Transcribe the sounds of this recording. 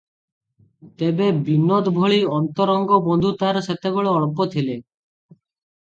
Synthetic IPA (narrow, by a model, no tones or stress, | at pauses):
t̪ebebinːod̪bʱɔɭiɔnt̪ɔɾɔŋɡɔbɔnd̪ʱut̪aɾset̪eɡɔɭeɔɭpot̪ʰile